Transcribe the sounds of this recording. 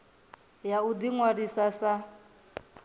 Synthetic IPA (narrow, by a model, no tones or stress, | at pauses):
jaud̪iŋwadisasa